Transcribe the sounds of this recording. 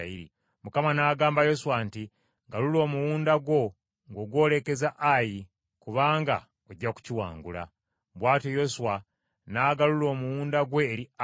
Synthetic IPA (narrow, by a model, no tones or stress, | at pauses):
iɾḭ | mukamanaːɡaːmbajo̞suwanti | ŋɡalulo̞ːmuwuːndaɡwo̞ | ŋɡo̞ːɡwo̞ːle̞ke̞zaʔaji | kuβaːŋɡa̰ | oɟːaku̥ciwa̰ːŋɡula̰ | βwaːtojo̞suwa | naːɡalulo̞ːmuwuːndaɡwe̞ːɾia